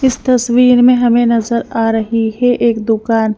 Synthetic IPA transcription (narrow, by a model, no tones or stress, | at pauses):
ɪst̪ɐswiːɾmẽɦɐmẽnɐzəɾaːɾɐɦiɦɛʔeːkd̪ʊkaːn